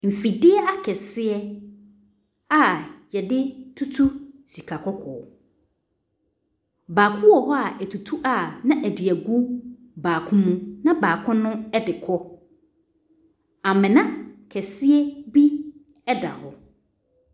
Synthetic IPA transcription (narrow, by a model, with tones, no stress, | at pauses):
m̩˨fi˨dɪ˦ɛ˦a˦kʰɛ˨sɪ˦ɛ˦ | a˦jɛ˨dɪ˦tʰu˦tʰu˦si˨kʰa˨kʰɔ˦kʰɔː˨ɔ˨ | baː˨kʰʊ̃˦wɔ˨ɦɔ˦a˨ʔæ˨tʰu˨tʰu˦ʔa˨nã˦ʔæ˨di˨æ˨ɡu˦ | baː˨kʰʊ̃˦mũ˦nã˦baː˨kʰʊ̃˦nʊ̃˦ɛ˦dɪ˨kʰɔ˦ | a˨mɪ̃˨nã˦kʰɛ˨sɪ˦ɛ˦bi˦ | ɛ˦da̰˨hɔ˨